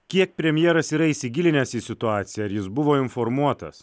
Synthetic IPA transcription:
kʲiɛk̚pʲɾʲɛmʲjɛːɾɐsiːɾɐiːsʲɪɡʲɪlʲɪnʲɛsiːsʲɪt̪ʊɑːt̪sʲɪjɛɐɾjɪsbʊʋoːɪnfoɾmuɔt̪ɐ̰s

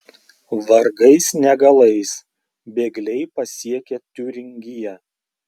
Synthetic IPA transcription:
ʋɐɾɡɐɪsnʲɛɡɐlˠɐɪs | bʲeːɡlʲɛɪpɐsʲiɛkʲet̪ʲuːɾʲɪŋʲɡʲɪjɛ

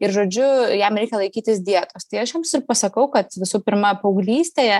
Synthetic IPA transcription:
ɪɾʒoːd͡ʒʲʊjɛmɾʲɛɪkʲɛlˠɐɪkʲiːt̪ʲɪsd̪ʲiɛt̪oːst̪ɐɪɐʃjɛmsɪrpɐsɐkɐʊkɐt̪ʋʲɪsuːpʲɪɾmɐpɐʊɡlʲiːsʲt̪ʲeːjɛ

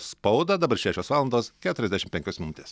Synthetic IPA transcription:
spɐʊd̪ɐd̪ɐbɐɾʃʲæːʃʲoːsʋɑːlˠɐnd̪oːskʲæːt̪ʊɾʲɛzʲd̪ʲæɛʃʲɪmpʲɛŋkʲosmʲɪnʊt̪ʲeːs

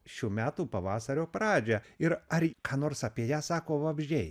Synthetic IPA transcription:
ʃʲuːmʲæːt̪uːpɐʋɑːsɐɾʲoːpɾɑːd͡ʒʲɛɪɾɐɾkɑːnoːɾsɐpʲiɛjæːsɑːkoːʋɐbʲʒʲɛɪ

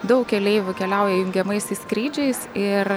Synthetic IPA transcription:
d̪ɐʊkkʲɛlʲeɪjʲʊkʲɛlʲɛʊjɛjʊŋʲɡʲɛmɐɪsʲɪskɾʲiːd͡ʒʲɛɪsɪɾ

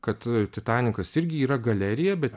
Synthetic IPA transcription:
kɐt̪t̪ʲɪt̪ɑːnʲɪkɐsɪɾʲɡʲɪiːɾɐɡɐlʲɛɾʲɪjɛbʲɛt̪

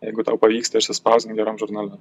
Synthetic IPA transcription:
jɛɪɡʊt̪ɐʊpɐʋʲiːkst̪ɐɪʃʲsʲɪspɑˑʊzʲd̪ʲɪmɡʲɛɾɐmʒʊɾnɐlʲɛ

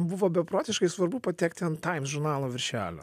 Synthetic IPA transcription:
bʊʋoːbʲɛpɾoːt̪ʲɪʃkɐɪsʋɐɾbʊpɐt̪ʲɛːkt̪ʲɪɐnt̪ɐɪmsʒʊɾnɑːlˠoːʋʲɪɾʲʃʲæ̰ːlʲo̰

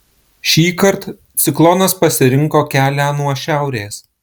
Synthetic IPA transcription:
ʃʲiːkɐɾt̪ | t̪sʲɪklˠɔnɐspɐsʲɪɾʲɪŋkoːkʲæːlʲæːnuɔʃʲæˑʊɾʲeːs

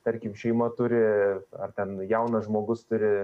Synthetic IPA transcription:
t̪ɐɾʲkʲɪmʃʲɛɪmɐt̪ʊɾʲɪɐrt̪ʲɛnjɛʊnɐʒmoːɡʊst̪ʊɾʲɪ

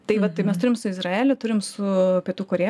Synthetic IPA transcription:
t̪ɐɪʋɐt̪̚t̪ɐɪmʲɛst̪ʊɾʲɪmsʊɪzrɑɛːlʲʊt̪ʊɾʲɪmsʊpʲiɛt̪uːkoːɾʲeː

